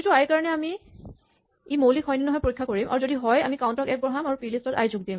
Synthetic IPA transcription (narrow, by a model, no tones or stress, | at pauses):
ituajkaɹɔnɛami | imowlikʰɔjninɔɦɔjpoɹikʰːakoɹimʔa̰ɹuzodiɦɔja̰mikawntɔkɛk̚bɔɦamaɹupilistɔta̰jzuɡ̚dim